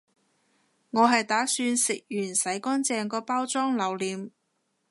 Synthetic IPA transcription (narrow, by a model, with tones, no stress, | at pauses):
ŋɔː˨˧ɦɐ˨jt̪aː˨˥syː˧nsɪ˨k̚jyː˨˩nsɐ˨˥jkɔː˥nt͡sɛː˨˧ŋkɔː˧paː˥wt͡sɔː˥ŋlɐ˨˩wliː˨˧m